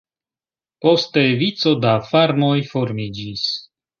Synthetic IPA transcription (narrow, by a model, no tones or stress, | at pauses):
po̞ste̞vit͡so̞dafaɾmo̞jfo̞ɾmid͡ʒis